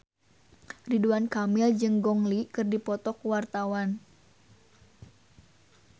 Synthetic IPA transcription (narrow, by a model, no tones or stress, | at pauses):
riduankamɪld͡ʒɨŋɡɔŋlikɨrdipɔt̪ɔkwart̪awan